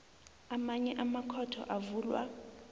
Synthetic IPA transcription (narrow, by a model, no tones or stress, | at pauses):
amaɲɛʔamakʰɔtʰɔ̰ʔavuːlwa̰